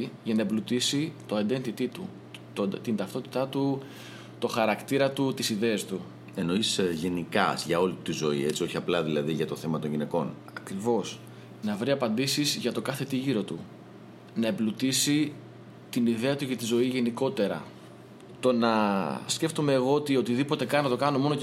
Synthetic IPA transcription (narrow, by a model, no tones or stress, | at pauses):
iʝɐnɐeblut̪isit̪o̞ɐnd̪ent̪it̪it̪u | t̪ot̪ind̪ɐft̪o̞t̪i̥t̪ɐt̪u | t̪o̞xɐɾɐkt̪iɾɐt̪ut̪isiðe̞ɐst̪u | e̞no̞isʝe̞nikɐsʝɐo̞lit̪izo̞ie̞t͡sio̞çiɐplɐðilɐðiʝɐt̪o̞θe̞mɐt̪onʝine̞ko̞n | ɐkɾivo̞s | nɐvɾiɐpɐnd̪isizʝɐt̪o̞kɐθe̞t̪iʝiɾo̞t̪u | nɐeblut̪isi | t̪iniðe̞ɐt̪uce̞t̪izo̞iʝe̞niko̞t̪e̞ɾɐ̰ | t̪o̞nɐsce̞ft̪ome̞ːɣo̞ot̪io̞t̪iðipo̞t̪e̞kɐnnɐt̪okɐno̞mo̞no